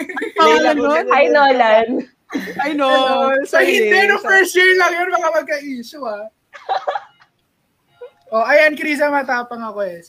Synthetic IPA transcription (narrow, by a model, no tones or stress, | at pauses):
aŋɐnoajnolan | ɐjnosɐhɪt̪ɛnoŋpɛɹsjiɹlɐŋjonmɐkamɐɡ̚kɐʔiːʃoɐ | ʔoʔɐjankɾiːzɐmɐt̪aːpɐŋɐkoɛs